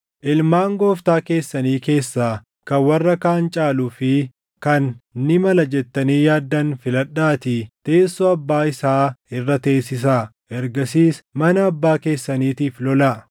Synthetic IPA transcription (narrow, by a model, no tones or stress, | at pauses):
ʔɪlmaːŋɡoːft̪aːke̞ːsːɐniːke̞ːsːaː | kɐwɐrːɐkaːnt͡ʃʼaːluːfɪ | kɐnːɪmɐlɐd͡ʒɛt̪ːɐniːjaːd̪ːɐnfɪlɐᶑːaːt̪ɪt̪e̞ːsːɔɐbːaːɪsaːɪrːɐt̪e̞ːsːɪs̬aː | ʔɛɾɡɐsiːsmɐnɐːbːaːke̞ːsːɐniːt̪iːflɔlaː